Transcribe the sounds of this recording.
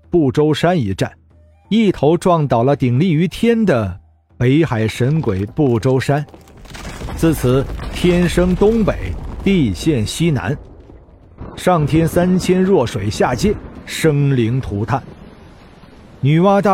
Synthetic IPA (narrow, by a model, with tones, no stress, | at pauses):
pu˥˩ʈ͡ʂo˥ʊʂa˥ni˧˥ʈ͡ʂa˥˩n | i˥˩t̪ʰo˧˥ʊʈ͡ʂwɑ˥˩ŋt̪ɑ˨˩ʊlə˦t̪i˨˩ŋli˥˩y˧˥t̪ʰjɛ˥nd̪ə˨ | pe˧˥ɪxa˨˩ɪʂə˧˥nkwe˨˩ɪpu˥˩ʈ͡ʂo˥ʊʂa˥n | t͡sʰɹ̩˥˩t͡sʰɹ̩˨˩˦t̪ʰjɛ˥nʂɤ˥ŋt̪ʊ˥ŋpe˨˩˦ɪt̪i˥˧ɕjɛ˥˩nɕi˥na̰˧˥n | ʂɑ˥˩ŋt̪ʰjɛ˥nsa˥nt͡ɕʰjɛ˥nɻwɔ˥˩ʂwe˨˩ɪɕja˥˩t͡ɕjɛ˥˩nʂɤ˥ŋli˧˥ŋt̪ʰu˧˥t̪ʰa˥˩n | ny˨˩wa˥t̪a˥˩